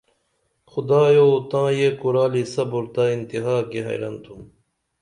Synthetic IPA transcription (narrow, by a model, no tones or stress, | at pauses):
xʊd̪aːjout̪ãːjeːkuɾaːlisɐbuɾt̪aːint̪iɦaːkeɦɐ̰jɾɐ̰nt̪ʰum